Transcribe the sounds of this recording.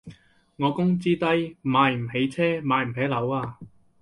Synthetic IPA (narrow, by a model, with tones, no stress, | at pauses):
ŋɔː˨˧kʊ˥ŋt͡siː˥t̪ɐ˥jmaː˨˧jm̩˨˩ɦe˨˥jt͡sʰɛː˥maː˨˧jm̩˨˩ɦɛː˨˥lɐ˨˥waː˧